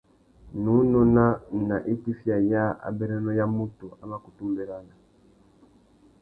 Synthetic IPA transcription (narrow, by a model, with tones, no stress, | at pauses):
nu˨˦nɔ˦na˦na˨ʔi˦ti˦fja˨ja˦a̰˨bɛ˦ɾɛ˦nɔ˦ja˦mu˦tu˨a˦ma˦˨ku˨tu˦mbɛ˨ɾa˦na˨